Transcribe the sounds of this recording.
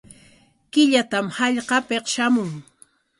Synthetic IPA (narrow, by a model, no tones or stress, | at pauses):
kɪʎat̪amhɑʎqɑpeqʃamʊŋ